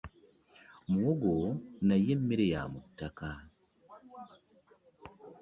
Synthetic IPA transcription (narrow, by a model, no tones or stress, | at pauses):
muwoɡonajemːiɾeja̰mutːaka